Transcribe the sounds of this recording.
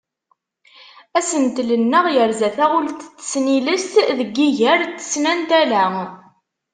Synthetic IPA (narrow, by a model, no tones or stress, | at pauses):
æsənt̪lənːəʁjəɾzæθæʊlt̪t͡sːə̥sniləst̪ðəɡːiʝəɾt̪ːə̥snænt̪ælæ